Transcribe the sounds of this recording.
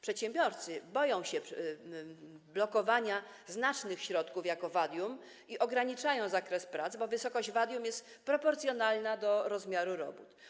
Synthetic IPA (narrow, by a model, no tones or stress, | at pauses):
pʂɛt̪ɕɛ̃mbʲjɔɾt̪sɘbɔjɔ̃w̃ɕɛ | blɔkɔvaɲa | znat͡ʂnɘxɕɾɔt̪kufjakɔvad̪ʲjum | iʔɔɡɾaɲit͡ʂajɔ̃w̃zakɾɛspɾat̪zbɔvɘsɔkɔɕd͡ʑvad̪jumjɛst̪ | pɾɔpɔɾt̪sʲjɔnalnad̪ɔɾɔzmʲjaɾuɾɔbut̪